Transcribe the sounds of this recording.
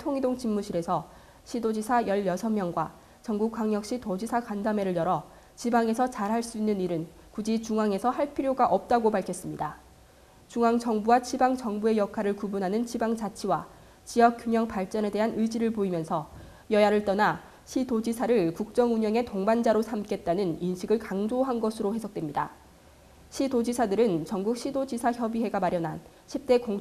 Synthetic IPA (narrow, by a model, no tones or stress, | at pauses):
tʰoŋidoŋt͡ɕinːuɕʰiɾe̞sʰʌ | ɕʰidod͡ʑisʰajʌɭjʌsʰʌmjʌŋɡwa̰ | t͡ɕʌŋɡukːwaŋɲjʌk̚ɕ͈itod͡ʑisʰakandame̞ɾɯɭjʌɾʌ | t͡ɕibaŋe̞sʰʌt͡ɕaɾɦaɭs͈uinːɯniɾɯn | kud͡ʑit͡ɕuŋaŋe̞sʰʌhaɭpʰiɾjoɡaʔʌp̚t͈aɡopaɭkʰjʌs͈ɯmɲida | t͡ɕuŋaŋd͡ʑʌŋbuwat͡ɕʰibaŋt͡ɕʌŋbue̞jʌkʰaɾɯɭkubunɦanɯnt͡ɕibaŋt͡ɕat͡ɕʰiwa | t͡ɕijʌk͈̚juŋjʌŋpaɭt͡ɕ͈ʌne̞de̞ɦanɯid͡ʑiɾɯɭpoimjʌnsʰʌ | jʌjaɾɯɭt͈ʌna | ɕʰidod͡ʑisʰaɾɯɭkuk̚t͡ɕ͈ʌŋuɲʌŋe̞toŋband͡ʑaɾosʰamk͈ʰe̞t̚t͈anɯninɕʰiɡɯɭkaŋd͡ʑoɦanɡʌsʰɯɾohe̞sʰʌk̚twemɲida | ɕʰidod͡ʑisʰadɯɾɯnt͡ɕʌŋɡuk̚ɕ͈ʰidod͡ʑisʰaçjʌbiɦe̞ɡamaɾjʌnɦan | ɕʰip̚t͈e̞koŋ